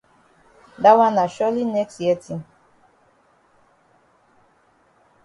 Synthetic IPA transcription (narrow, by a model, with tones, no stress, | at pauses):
da˦wa˦na˨ʃɔ˦li˦nɛ˦ksjɛ˦tʰi˦n